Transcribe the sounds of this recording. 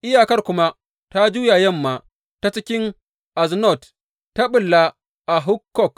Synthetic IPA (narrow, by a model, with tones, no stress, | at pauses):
ʔɪ˦jaː˨kɐ˦rkʷʊ˦ma˦ | ta˦d͡ʒuː˦jaː˨jɛ˦˨mːaː˨ | ta˦t͡ʃɪ˦kʲɪ˦ŋ | ʔa˨znɔ˦˨t | ta˦ɓʊ˨lːa˦ | ʔa˨ɦʊ˦kːɔ˦˨k